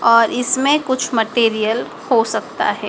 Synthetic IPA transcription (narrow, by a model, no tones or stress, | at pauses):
ɔːɾɪsmẽkʊt͡ʃʰmɐʈeːɾijəl | hosɐk̚t̪a̰ɦɛː